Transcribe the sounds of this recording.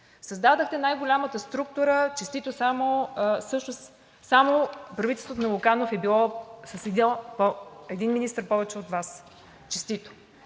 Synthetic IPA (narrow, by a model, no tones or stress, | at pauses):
səzd̪ad̪əxt̪ɛnajɡolʲamət̪əst̪ɾuk̚t̪ʊɾət͡ʃɛst̪it̪osamosɤʃnos | samopɾɐvit̪ɛlˠst̪vot̪onlokanofɛbilˠɔsɐsɛd̪ipoɛd̪inminist̪əɾpɔvɛt͡ʃɛot̪vas | t͡ʃɛst̪it̪o̥